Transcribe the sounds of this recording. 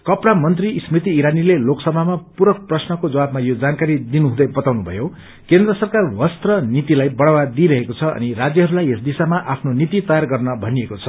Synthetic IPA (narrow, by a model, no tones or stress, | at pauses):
kʌpɽamʌnt̪rismrit̪̬iːɾanileloksʌbʱamapuɾʌk̚prʌsnʌkod͡zʌwabmajod͡zankaɾid̪inuɦũd̪ʌjbʌt̪awnubʱʌ̰jo | kend̪rʌsʌrkarwʌst̪rʌnit̪ilajbʌɽawad̪iɾʌɦekot͡sʰʌʌ̰nirad͡zjʌɦʌɾulajesd̪isamaʔapʰnonit̪it̪ʌjarɡʌrnʌbʱʌniekot͡sʰʌ